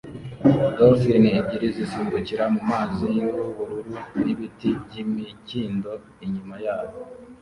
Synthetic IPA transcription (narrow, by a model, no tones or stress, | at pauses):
ɡofiniːɟiɾizisiːmbuciɾamumaːzinuβuβuɾuɾuniβitibɟimiɟiːndo̞ | iɲumajaːβo